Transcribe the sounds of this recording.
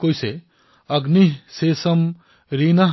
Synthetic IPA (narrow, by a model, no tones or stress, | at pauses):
kojse | ɐɡniɦsesɐm | ɾiːnɐ